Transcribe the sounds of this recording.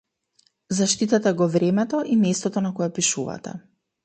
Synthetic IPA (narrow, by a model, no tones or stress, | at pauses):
zaʃt̪it̪at̪ɛɡɔvɾɛmɛt̪ɔʔimɛst̪ɔt̪ɔnakɔjɛpiʃuva̰t̪ɛ̰